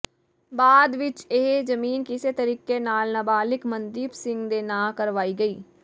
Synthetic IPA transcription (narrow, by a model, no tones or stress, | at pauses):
baːd̪ʋɪt͡ʃeɦd͡ʒəmiːnkɪseːt̪əɾiːkeːnaːlnəbaːlɪkmənd̪iːpsɪ̃ŋɡd̪eːnãːkəɾʋaːiːɡəiː